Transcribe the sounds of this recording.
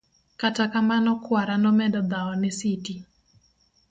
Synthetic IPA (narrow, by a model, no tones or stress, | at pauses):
katakamanɔkwaɾanɔmɛdɔd̪aɔnɪsiti